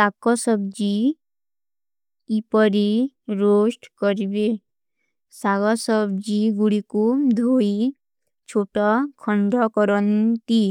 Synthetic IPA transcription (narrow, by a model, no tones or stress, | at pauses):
t̪akɔsɔbd͡ʒi | pɔɾiɾosʈkɔɾibe | saɡɔsɔbd͡ʒiɡuɽikud̪ʱoi | t͡ʃʰoʈɔkʰɔɳɖɔkɔɾɔnt̪i